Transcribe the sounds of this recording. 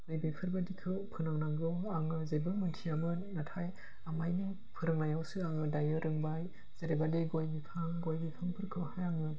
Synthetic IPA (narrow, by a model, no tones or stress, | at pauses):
nɯjbepʰɯɾbadikʰɯpʰɯnaŋnaŋɡɯ | aŋɯzebɯmɯntʰiamɯnatʰaj | amajnɯ | pʰɯɾɯŋnajawsɯaŋɯdajɯɾɯŋbaj | z̥eɾebadeɡojbipʰaŋɡojbipʰaŋpʰɯɾkʰɯhajaŋɯ